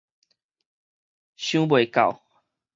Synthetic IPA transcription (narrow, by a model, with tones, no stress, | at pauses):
ɕjũ˦bwe˨˩ka̰˨w